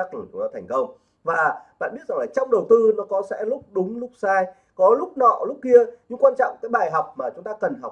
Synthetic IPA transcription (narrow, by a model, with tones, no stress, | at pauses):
a˦˥k̚lɨː˧˩t͡ɕʊ˨˦ŋ͡mt̪aː˧t̪ʰjŋ̟kə˧wŋ͡m | vaː˨˩ɓa̰ː˧˨nɓi˦˥ət̚za˨˩ŋlaː˨˩t͡ɕɔ˧wŋ͡mɗə˨˩wt̪ɨ˧nɔ˨˦kɔ˨˦sɛ̰˧˥lʊ˦˥k͡p̚ɗʊ˨˦ŋ͡mlʊ˦˥k͡p̚saː˧j | kɔ˨˦lʊ˦˥k͡p̚nɔ̰˧˨lʊ˦˥k͡p̚ki˧əɲɨ˧ŋkwaː˧nt͡ɕɔ̰˧˨ŋ͡mkaː˨˦jɓaː˨˩jɦa˨˩wk͡p̚maː˨˩t͡ɕʊ˨˦ŋ͡mt̪aː˧kə˨˩nɦa˨˩